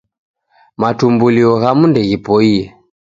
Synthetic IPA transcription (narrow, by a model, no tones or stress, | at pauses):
matumbuliɔɣamundɛɣipɔiɛ